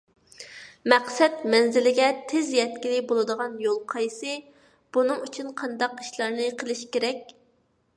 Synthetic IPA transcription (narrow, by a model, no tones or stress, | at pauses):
mæqsɛt̪mɛnzɪlɪɡʲɛt̪ʰɪzjɛt̪kʲilɪbolˠɨd̪əʁɑnjolˠqʰɑjsɨ | b̥unɨŋyt͡ʃʰynqʰɑnd̪ɑqi̥ʃlˠɑɾnɨqʰəlˠɨʃkʲeɾɛkʲ